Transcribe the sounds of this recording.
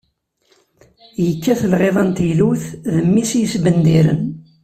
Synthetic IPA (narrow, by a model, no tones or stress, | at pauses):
jəkːæθəlʁeðˤənt̪jluθðəmːisjəsbənd̪iɾə̰n